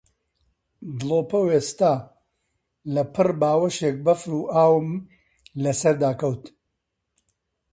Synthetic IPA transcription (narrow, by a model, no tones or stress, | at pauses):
d̪ɨlˠoːpɐweːst̪aː | lɐpʰɨrbaːwɐʃeːk̚bɐfɾuːʔaːwɨm | lɐsɐɾd̪aːkɐwt̪